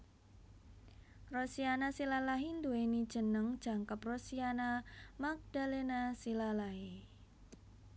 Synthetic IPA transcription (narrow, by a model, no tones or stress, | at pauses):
rosianasilalaɦind̪uwenid̥ʒ̥ə̤nəŋd̥ʒ̥a̤ŋkəprosianamak̚d̥alenasilalaɦi